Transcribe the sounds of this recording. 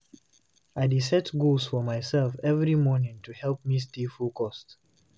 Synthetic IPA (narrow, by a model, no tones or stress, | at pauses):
aɪdisɛtɡulˠsfɔmaɪsɛlfɛvɹimɔnɪ̃ŋtʰuhɛlˠp̚mistifulkʰɔst